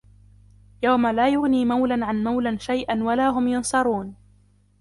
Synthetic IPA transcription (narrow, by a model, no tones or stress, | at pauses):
jawmalaːjʊɣniːmawlanʕanmawlanʃajʔanwalaːɦʊmjʊnsˤɑɾˤuːn